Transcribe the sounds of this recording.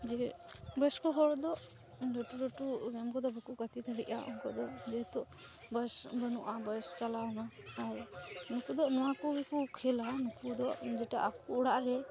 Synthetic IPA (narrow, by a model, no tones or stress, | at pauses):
d͡ʒɛbəskɔɦɔɽd̪ɔʔ | ɾɔʈuɖɔʈuɡɛmkɔd̪ɔbɛkukat̪it̪ʰəɽiʔa̰ɔ̰ŋkɔd̪ɔd͡ʒɛt̪ɔʔ | bəsbənuʔabəjst͡ʃalawnaːɾnukud̪ɔʔnɔwakɔbɛkukʰɛlanukud̪ɔʔd͡ʒɛʈaʔakuːɽaʔɾɛ